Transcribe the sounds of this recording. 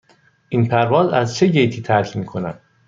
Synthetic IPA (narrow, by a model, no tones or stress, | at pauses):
ʔinpʰæɾvɒːzæzt͡ʃʰe̞ɟejt̪ʰiːt̪ʰæɾcʰmiːkʰonæd̪̥